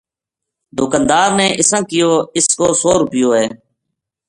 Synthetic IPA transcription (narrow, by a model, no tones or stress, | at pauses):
d̪ʊkãnd̪aːɾneːʔɪsãːkɪjoːɪskoːsoːɾpɪjoːɦeː